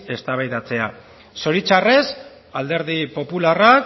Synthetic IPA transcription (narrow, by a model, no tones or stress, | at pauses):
e̞st̪aβajðat͡se̞a | so̞ɾit͡ʃare̞s | ald̪e̞ɾðipo̞pularak